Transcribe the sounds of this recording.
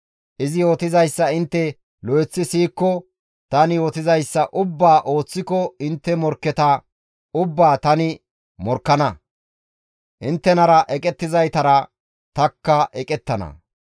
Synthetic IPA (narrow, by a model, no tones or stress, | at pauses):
ʔɪzɪjoːt̪ɪzɐjsːɐɪnt̪ːɛ | lɔjɛt͡sːɪsiːkːɔ | t̪ɐnɪjɔt̪ɪzɐjsːɐʔʊbːaːʔo̞ːt͡sːɪkɔɪnt̪ːɛmɔɾkːɛt̪ɐ | ʊbːaːt̪ɐnɪ | mɔɾkːɐnɐ | ʔɪnt̪ːɛnɐɾɐʔɛkʼɛt̪ːɪzɐjt̪ɐɾɐ | t̪ɐkːɐʔɛkʼɛt̪ːɐnɐ̰